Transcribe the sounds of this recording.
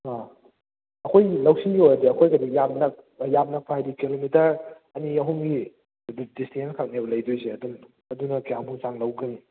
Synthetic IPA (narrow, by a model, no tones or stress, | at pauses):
a | ɐkʰojlɐwsiojɾɐdiɐkʰojkɐdijap̚nɐk̚ | jab̚nɐk̚pʰaajdikilomitɐɾ | ɐniɐɦuŋɡi | distʰenskʰak̚nabɐlɐjdujseɐdum | ɐdunɐkijambuŋsaŋlɐwɡɐni